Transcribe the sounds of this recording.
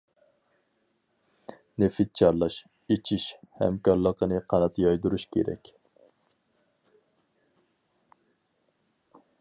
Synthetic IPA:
nefɪt̪̚t͡ʃʰɑɾlˠɑʃ | et͡ʃʰiʃhɛ̰mkɑɾlˠəqənɨqʰɑnɑt̪jɑjd̪uɾuʃkʲʰḛɾɛ̰kʲ

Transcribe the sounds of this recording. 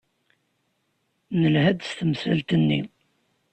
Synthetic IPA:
nəlhæd̪st̪əmsælt̪ənːi

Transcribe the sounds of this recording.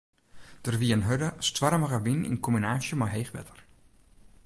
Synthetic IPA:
d̥ərʋiənɦødəstʋarməɣəʋinḭnkɔminaːʃjəmaɦejxʋɛ̰tər

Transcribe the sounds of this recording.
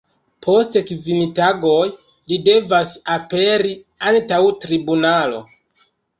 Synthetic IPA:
pʰo̞stekvintaɡo̞j | lide̞vasape̞ɾi | antawtɾibunalo̞̰

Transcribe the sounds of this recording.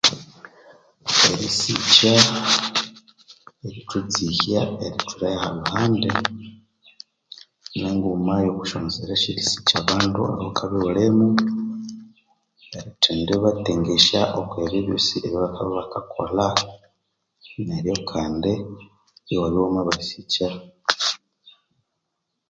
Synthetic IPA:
eɾisica | eɾitut͡sihaeɾitʰuɾajahaluhaːnde | neŋɡumajokuʃonzeɾaʃiɾisi̥caβaːndṵa̰hokʰaβiolemu | eɾitʰeːndeβateŋɡeʃaʔokweβeβosiʔeβjoβakaββakakʰo̞̰la | neɾijo̞kʰaːnde | iwaβjomaβaɾisiceɾ

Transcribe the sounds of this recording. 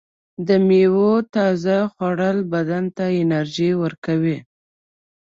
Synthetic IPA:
d̪əmewot̪ɑzaxwaɽəlbad̪ant̪aɪnaɾʒiwəɾkawi

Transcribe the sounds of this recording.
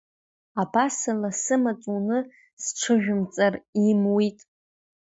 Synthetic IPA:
abasalasɨmat͡sʷʼunɨ | sʈ͡ʂʷʰɨʒᶣʊmt͡sʼarimwitʼ

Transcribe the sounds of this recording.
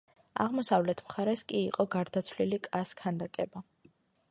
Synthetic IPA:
a̰ʁmɔsavlɛt̪ʰmχaɾɛskʼiːqʼɔɡaɾd̪at̪sʰvlilikʼaskʰand̪akʼɛba

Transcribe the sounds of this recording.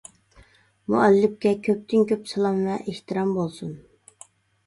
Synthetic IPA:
muʔɛlːɪp̚kʲɛkʲʰøp̚t̪ʰɪnkʲøpsɨlˠɑmvɛʔeht̪ɨɾɑmbolˠsun

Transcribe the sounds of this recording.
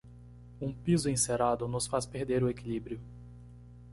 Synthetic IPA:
ũpizʊẽseɾad̪ʊnʊsfaspeɾd̪eɾʊekilibɾijʊ

